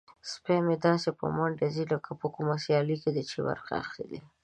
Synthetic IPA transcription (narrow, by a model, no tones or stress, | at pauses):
spemed̪ɑsepə̰maɳɖezilakapəkumasjɑliked̪ət͡ʃḭwa̰ɾqa̰ːxɾḭd̪ḭ